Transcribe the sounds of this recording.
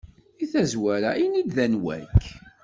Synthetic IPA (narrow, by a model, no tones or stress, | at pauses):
iθæzwæɾæinid̪ðænwæ̰k